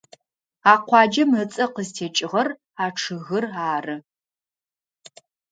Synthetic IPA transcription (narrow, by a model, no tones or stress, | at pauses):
aːqʷʰɑːd͡ʒɐmət͡sʼɐqəztʰeːt͡ʃʼɪʁɐr | aːʈ͡ʂʰɨɣɨraːrɨ